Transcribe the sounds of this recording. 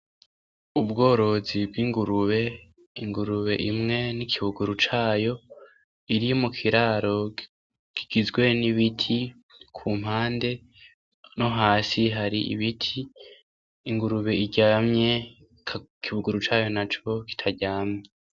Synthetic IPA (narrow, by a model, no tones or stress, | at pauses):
ubɡo̞ːɾo̞zibɡiːŋɡuɾuβe̞ | iŋɡuɾuβe̞̰ʔimŋe̞nikʰiβuɡuɾut͡ʃaːjo̞ | iɾimukʰiɾaːɾo̞ | kiɡ̥izɡwe̞niβitʰi | kʰuːm̥haːnde̞ | no̞ɦaːsiɦaɾiʔḭβitʰiː | ŋɡuɾuβe̞iɟamɲe̞ | kkʰiβuɡuɾut͡ʃaːjo̞nat͡ʃo̞ki̥tʰaɟaːmɲe